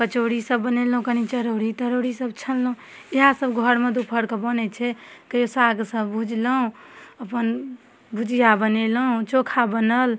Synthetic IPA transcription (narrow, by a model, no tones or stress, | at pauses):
kət͡ʃoɾisəbːənelɦũkənit͡ʃəɾoɾit̪əɾoɾisəb̚t͡ʃʰəllɦũ | iɦasəbɡʱəɾmed̪upʰəɽkəbənɛt͡ʃʰɛkəjosaɡsəbːʱud͡ʒləɦũəpən | bʱud͡ʒʱijabəneləɦũt͡ʃokʰabənəl